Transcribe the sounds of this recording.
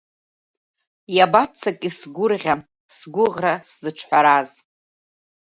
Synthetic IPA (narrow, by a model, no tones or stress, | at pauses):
jabat͡sʰːakʼisɡʷʊrʁʲa | sɡʷʊʁraszɨʈ͡ʂʰħʷaɾaz